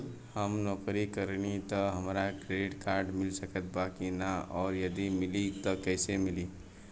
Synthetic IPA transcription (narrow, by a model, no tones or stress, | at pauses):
həmnokɾikəɾnit̪ɔɦəmɾakɾeiʈkaɾɖmilsəkət̪̚bakinaɔːɾjəd̪imilit̪ɔkəɪsemili